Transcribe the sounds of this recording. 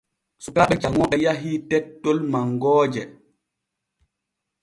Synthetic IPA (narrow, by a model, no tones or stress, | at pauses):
sukaɓɛd͡ʒaŋɔɓɛjaɦitɛtːolmaŋɡɔːd͡ʒɛ